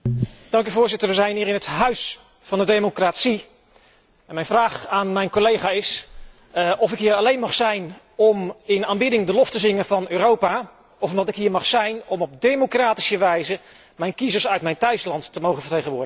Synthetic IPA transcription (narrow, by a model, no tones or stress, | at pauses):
d̥ɑŋkyvʊːɹzɪtəɹʋəzɛjnɦiːɾɪnɦətɦœɥs | fɑndədemokratsi | ɛnmɛjnvraːχaːnmɛjnkolejχaːɪs | ʔɔfɪkɦiːɾɑlejnmɑχsɛjn | ɔmɪnaːnbɪdɪŋdəlɔftəzɪŋənvɑnøːrowpa | ɔfɔʋɑtɪkɦiːɹmɑχsɛjnɔmɔb̚dejmokraːti̥səʋɛjzə | mɛjnkizəɹsœɥtmɛjntœɥslɑntːəmowχənvəɹtejχənʋʊːɹdə